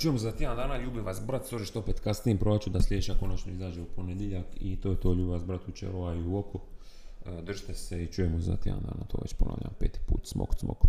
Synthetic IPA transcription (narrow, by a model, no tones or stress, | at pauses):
t͡ʃujemuzat̪iand̪aːnaʎuːbiʋasbɾat̪soʒeʃt̪opet̪kasnijempɾoʋat͡ʃud̪aslʲeːʃako̞nat͡ʃnoizaːd͡ʒeuponed̪jeʎakit̪oːjet̪o̞ːʎuːbiʋasbɾat̪ut͡ʃḛɾoaiuoko | d̪r̩ʒi̥t̪eseit͡ʃujemuza̰t̪ed̪a̰nd̪a̰ːnat̪oːʋḛt͡ɕpona̰ʋʎʔa̰mpeːt̪i̥pṵːt̪smo̰k̪smo̰k